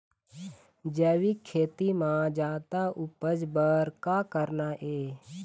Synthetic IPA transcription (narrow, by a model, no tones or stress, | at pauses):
d͡ʒəːʋikʰːeːt̪imãd͡ʒaːt̪aʔʊpəd͡ʒbəɾkaːkəɾnaʔeː